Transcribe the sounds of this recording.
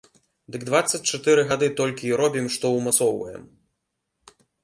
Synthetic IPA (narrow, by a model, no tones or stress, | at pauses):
d̪ɨɡd̪vat̪sːɐt͡sʲt͡ʂat̪ɛɾɨɣad̪ɨt̪ɔlʲkʲiːɾɔbʲimʂt̪ɔwmat̪sɔwvɐjɛ̰m